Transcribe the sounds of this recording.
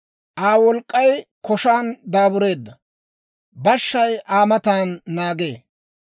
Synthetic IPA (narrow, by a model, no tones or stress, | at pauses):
ʔaːwɔlkʼːɐjkɔʃaːnd̪aːbʊɾe̞ːd̪ːɐ | bɐʃːɐjaːmɐt̪aːnːaːɡe̞ː